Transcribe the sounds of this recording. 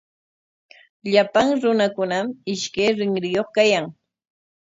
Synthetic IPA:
ʎapaŋɾʊnakʊnamɪʃkajɾɪŋɾɪjoχkajaŋ

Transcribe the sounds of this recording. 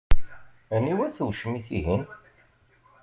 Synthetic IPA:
niwæθəwʃmiθḭɦin

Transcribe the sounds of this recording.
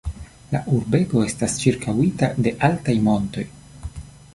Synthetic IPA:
la̰ʔuɾbe̞ɡo̞e̞stast͡ʃiɾkawitade̞ʔaltajmo̞nto̞j

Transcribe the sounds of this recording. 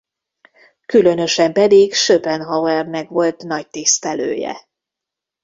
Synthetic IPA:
kylø̞nø̞ʃɛmpɛd̪ikʃøpɛnɦɒwɛrnɛkʋo̞lt̪nɒc̚t̪ist̪ɛlø̰ːjɛ̰

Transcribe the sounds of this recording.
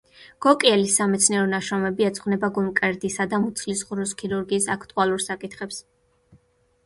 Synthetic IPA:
ɡ̥ɔkʼiɛlisːamɛt̪sʰniɛɾɔnaʃɔmɛbiɛt̪sʼχvnɛbaɡumkʼɛɾd̪isad̪amut̪sʰlisʁɾuskʰiɾuɾɡiːsakʰt̪ʼualˠuɾsakʼit̪ʰχɛps

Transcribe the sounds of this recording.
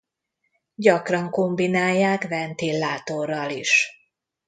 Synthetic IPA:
ɟɒkrɒŋkombinaːjːaːkvɛnt̪iːlːaːt̪orːɒliʃ

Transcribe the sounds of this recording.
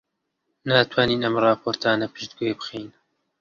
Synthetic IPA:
naːt̪ʰwaːniːnɐmrɑːpʰoːɾt̪ʰaːnɐpʰɨʃd̪ɡoebɨ̥xiːn

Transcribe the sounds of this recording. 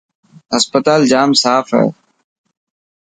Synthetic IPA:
ɦəspət̪aːld͡ʒaːmsaːfɦɛ̰ː

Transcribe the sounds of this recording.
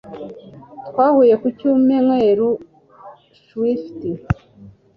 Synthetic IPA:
twaːhujekucuːmeŋweːɾu | swifti

